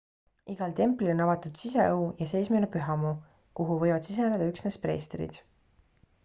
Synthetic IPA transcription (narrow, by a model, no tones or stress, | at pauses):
iɡ̥ɑlt̪e̞mplionɑvɑt̪ːˑud̪̥siseeujɑse̞jsmelepyɦɑmu | kuɦuvɤ̞jvɑd̪̥sis̬ened̪ɑyksnespre̞ːst̪rḭd̪̥